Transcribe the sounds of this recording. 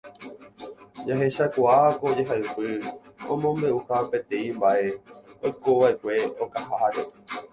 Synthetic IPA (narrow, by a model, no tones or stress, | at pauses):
d͡ʒaɦe̞ʃakʷaaakood͡ʒe̞ɦaɨpɨõ̰mõ̞mbe̞ʔuhape̞t̪ẽ̞ĩmbaʔe̞ojko̞ʋaʔe̞kʷe̞o̞kahaaɾe